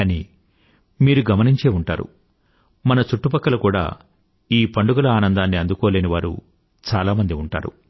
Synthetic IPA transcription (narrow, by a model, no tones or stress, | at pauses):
aniː | miːɾuɡɐmɐniɲt͡ʃe̞ːuɳʈa̰ːɾṵ | mɐnɐt͡ʃuʈːupɐkːɐlɐkuːɽa̰ː | iːpɐɳɖuɡɐlɐaːnɐnd̪aːnːiɐnd̪ukɔːleːniʋaːɾṵ | t͡ʃaːlaːmɐnd̪iuɳʈa̰ːɾṵ